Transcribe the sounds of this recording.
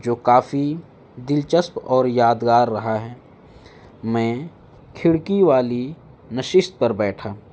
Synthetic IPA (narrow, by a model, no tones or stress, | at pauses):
d͡ʒoːkaːfi | d̪ɪlt͡ʃəspɔːɾjaːd̪ɡaːɾːɐɦaɦɛː | mɛ̃ː | kʰɪɽkiʋaːli | nɐʃɪʃt̪̚pɐɾbɛːʈʰaː